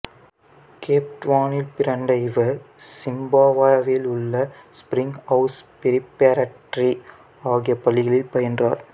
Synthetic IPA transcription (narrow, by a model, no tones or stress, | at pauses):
kʰeːp̚ʈʋaːnɪlpɪɾɐɳɖɐɪʋɐsɪmbaːʋaːʋɪlʊɭːɐspɾɪŋɡɐʊspɪɾɪpːeːɾɐʈɾi | aːɣɪjɐpːɐlːɪɣɐɭɪlpɐjɐndra̰ːɾ